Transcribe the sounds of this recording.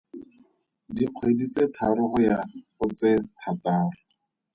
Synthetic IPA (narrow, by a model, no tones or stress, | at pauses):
diq͡χʰwedit͡setʰaɾʊχʊjaχʊt͡setʰataːrʊ